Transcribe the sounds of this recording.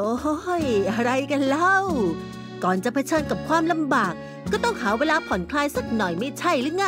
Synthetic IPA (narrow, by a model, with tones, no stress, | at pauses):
ʔoː˧ho˧˥jʔa˧ɾa˧jka˧nlɛ˧˥˩w | kɔː˨˩nt͡ɕa˨˩pʰa˧t͡ɕʰɤː˧nka˨˩p̚kʰwaː˧mla˧mbaː˨˩k̚ːɔː˥˩t̪ɔ˥˩ŋhaː˩˦weː˧laː˧pʰɔ˩˦nkʰlaː˧jsa˨˩k̚nɔ˨˩jma˥˩t͡ɕʰa˥˩jlɯ˦˥˩ŋa˥